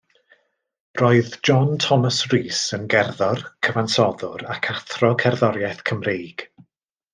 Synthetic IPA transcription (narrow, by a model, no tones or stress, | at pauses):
roɨðd͡ʒɔntʰɔməsriːsənɡɛrðɔrkʰəvansɔðʊɾakʰaθrɔkʰɛrðɔɾjɛθkʰəmreːɡ̥